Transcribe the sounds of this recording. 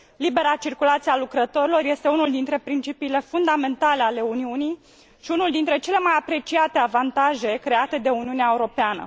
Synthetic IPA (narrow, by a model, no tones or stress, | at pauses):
libe̞ɾat͡ʃirkulat̪sialukɾət̪o̞ɾilo̞rje̞st̪e̞unuld̪int̪ɾe̞pɾint͡ʃipiːle̞fund̪ame̞nt̪ale̞ale̞uniunij | ʃiunuld̪int̪ɾe̞t͡ʃe̞le̞majapɾe̞t͡ʃiat̪e̞avant̪aʒe̞kɾe̞at̪e̞d̪e̞uniuneaeuɾo̞peanə̰